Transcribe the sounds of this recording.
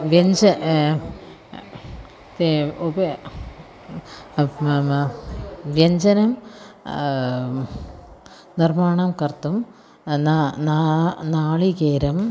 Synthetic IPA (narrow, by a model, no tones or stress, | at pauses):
ʋjeɲd͡ʑɐ | t̪eubɐ | ʋjɐɲd͡ʑɐnɐm | nirmaːɳɐmkɐrt̪ːum | nananaːɭikeːɾɐm